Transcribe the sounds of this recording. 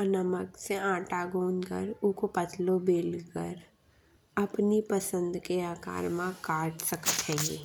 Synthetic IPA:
ɐnəməkseãːʈaɡoːnkə̰ɾʊkopɐt̪ʰlobeːlkə̰ɾ | ɐpnipəsə̃nd̪keaːka̰ːɾmãkaːʈsɐkt̪ʰẽːɡeː

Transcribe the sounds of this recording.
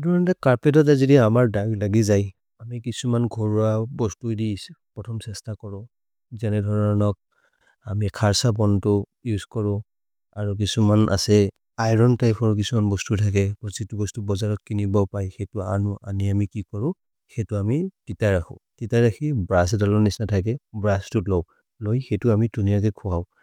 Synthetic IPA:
dʱɔɹɔntɛkaɹpɛt̬ɔt̬azidiamaɹdaɡlaɡizaj | amikisumanɡʱɔɹuabɔstudispɹɔtʰɔmsɛstakɔɹʊ̃ | zanɛdʱɔɹɔnɔk̚ | amikʰaɹsabɔntʊ | juzkɔɹʊ̃ | aɹuk̬isumana̰sɛ | ajɹɔntajpʰɔɹk̬isumanbɔstutʰakɛbɔzitubɔstubɔzaɹɔt̚kinibɔpajxɛtua̰nuʔa̰niamikikɔɹʊ̃ | xɛtʊamititaɹaxʰʊ̰̃titaɹakʰibɹasdɔlɔnisnatʰakɛbɹastutlɔ | lojxɛjtʊamidʱunijakɛkʰʊaʊ

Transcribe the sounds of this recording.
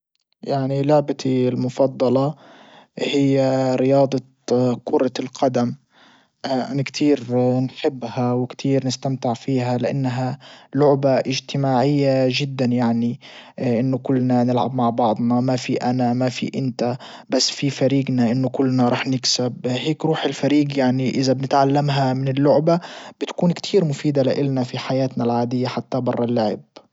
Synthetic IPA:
jaʕnilaʕbat̪ilmʊfɑd̪ˤːɑlɑ | hɪjːaɾɪjɑːd̪ˤɑ | kʊɾˤɑlqʰad̪am | ʔʔa̰nakt̪ʰiːɾnħɪbːhawɪkt̪ʰiːɾnɪst̪amt̪ɪʕfiːɦalɪʔa̰nːɦalʊʕbaʔɪʒt̪ɪmaːʕɪjːaʒɪd̪ːanjaʕniʔɪnːʊkʊlːnanɪlʕa̰bmaʕbɑʕd̪ˤnɑmafiʔanamafḭʔɪnt̪a | basːfifaɾiːɡnaʔɪnːʊkʊlːnaɾˤɑːħnɪksabheːkɾuːħɪlfaɾiːɡjaʕniʔɪzabnɪt̪ʕalːamɦamɪnɪlːʊʕbab̥ɪt̪kuːnkt̪ʰiːɾmʊfiːd̪alɪʔɪlnafiħajaːt̪nalʕaːd̪ɪjːaħat̪ːabɑrˤːɑlːʊʕɪ̰b̚

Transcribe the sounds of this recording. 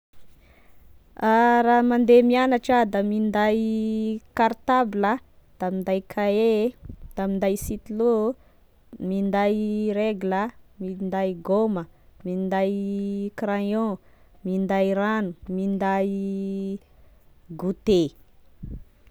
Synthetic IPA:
aɾaːmand̪emianaʈ͡ʂad̪amind̪aj | kaɾt̪abilə | d̪̥amind̪ajkʰaed̪̥amind̪ajsit̪ilu | mind̪ajɾeɡuləmind̪ajɡoməmind̪ajkɾajõ | mind̪ajɾanumind̪aj | ɡut̪e

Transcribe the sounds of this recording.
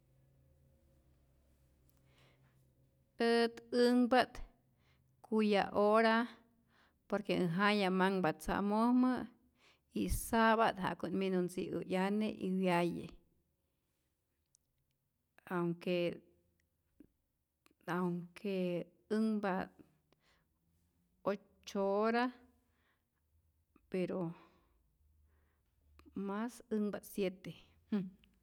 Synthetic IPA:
ət̪ɨŋbat̪ | kʰuja̰ʔoɾa | poɾkeɨɦajamaŋbat̪̚t͡sa̰ʔmohmə | isaβat̪ɦa̰ʔkunminunsḭʔṵʔjaneʔiwjajḛ | awŋke | awŋkʰe | ɨŋbat̪ | o | t͡ʃoɾa | peɾo | masɨŋbasjet̪e | h

